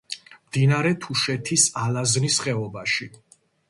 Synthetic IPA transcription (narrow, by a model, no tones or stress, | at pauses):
md̪̥inaɾɛt̪ʰuʃɛt̪ʰisalaznisχɛɔbaʃi